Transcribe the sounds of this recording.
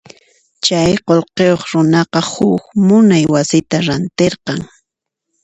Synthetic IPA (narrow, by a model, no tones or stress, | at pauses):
t͡ʃajqolqejoχɾʊnɑqɑhʊkmʊnajwasɪt̪aɾant̪eɾqɑŋ